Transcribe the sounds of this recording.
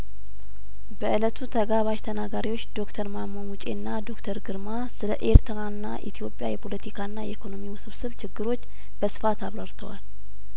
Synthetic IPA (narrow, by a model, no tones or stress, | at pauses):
bəʔɨlət̪ʰut̪ʰəɡaβaʃt̪ʰənaɡaɾiwo̞t͡ʃːd̪o̞kt̪ʰəɾmamːonwut͡ʃʼe̞nːad̪o̞kt̪ʰəɾɡɨɾma | sɨləʔeɾt̪ʰəɾaɨnːa̰ʔḭt̪ʰijo̞pʼːja̰jɛpʰo̞lət̪ʰikʰaɨnːajɛikʰo̞no̞miwsɨβsɨβt͡ʃɪɡːɨɾo̞t͡ʃː | b̥əsɨ̥fat̪aβɾəɾt̪ʰəwal